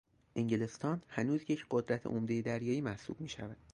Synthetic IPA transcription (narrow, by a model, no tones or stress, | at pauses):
ʔeɲɟele̞st̪ɒːnhænuːzjecʰɢo̞d̪ɾæt̪ʰḛʔomd̪e̞jed̪æɾjɒːiːmæhsṵːb̥miːʃævæd̪̥